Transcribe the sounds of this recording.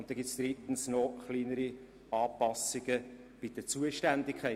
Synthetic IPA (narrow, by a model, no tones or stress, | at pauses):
ʊntd̥̪ɛŋɡɪtsd̪̥ɾit̪n̩snɔχliːnəɾi | ɑːpɑsɪɡə | b̥ɪd̥ət͡suəʃtændɪkʰːɛ